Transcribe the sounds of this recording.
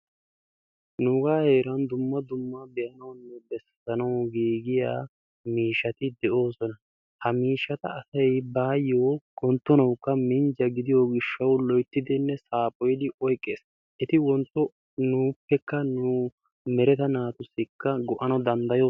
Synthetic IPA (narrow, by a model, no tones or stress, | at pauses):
nʊɡaːhe̞ːɾɐnd̪ʊmːɐd̪ʊmːɐbɛjʔɐnɐwnːɛbɛs | ɐnɐwɡiːɡɪjaː | miːʃːɐt̪ɪd̪ɛʔo̞ːsɔnɐ | hɐmiːʃːɐt̪ɐːsɐjbaːjːoːkʼɔnt̪ːɔnɐwkːɐmɪnd͡ʒɐɡɪd̪ɪjoːɡɪʃːɐwlɔjt̪ːɪd̪ɪnːɛsaːpʼɔjd̪ɪʔɔjkʼːeːs | ʔɛt̪ɪwɔnt̪ːɔ | nuːpːɛkːɐnu | mɛɾɛt̪ɐnaːt̪ʊsːɪkːɐɡɔʔɐnɐwd̪ɐnd̪ɐjo̞ː